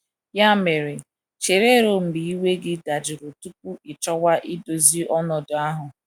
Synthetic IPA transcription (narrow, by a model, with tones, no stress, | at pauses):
ja˦me˨ɾe˨ | t͡ʃe˨ɾe˦ɾo˨m̩˨bi˨i˦we˦ɡɪ˦da˨d͡ʒɪ˨ɾo˨tu˦k̚u˦ɪ˨t͡ʃɔ˦wa˦ʔɪ˦do˨zi˦ʔɔ˦nɔ˨dʊ˨a˦ɦʊ˨